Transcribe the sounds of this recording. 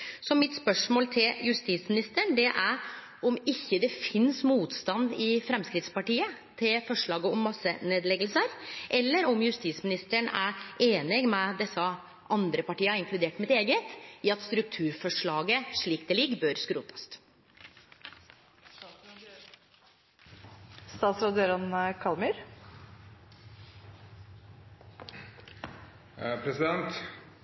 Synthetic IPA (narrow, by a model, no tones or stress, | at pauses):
sɔmɪt̪spœʂmoːlt̪ʰɪljʉst̪iːt̪smɪnɪst̪əɳd̪ɛʔæɾ | ɔmɪçːəd̪ɛfɪnsmuːt̪st̪ɑnd̪ɪfɾɛmskɾɪt̪spɑʈiːət̪ʰɪlfɔʂɭɑːɡəɔmːɑsːəneːd̪lɛɡəlsəɾʔɛlːəɾɔmjʉst̪iːsmɪnɪst̪əɳæʔeːnɪɡmɛd̪ɛsːə | ʔɑnd̪ɾəpɑʈiːəɑɪŋkʰlʉd̪eːʈmɪt̪eːɡət̪iːɑt̪st̪ɾʉk̚t̪ʰʉːɾfɔʂɭɑːɡəʂɭiːkd̪ɛlɪɡːbøːɾskɾuːt̪ʰɑ̥st̪ | st̪ɑːt̪sɾɑd̪øːɾənkʰɑlmʉɾ | pʰɾɛsɪd̪ɛnt̪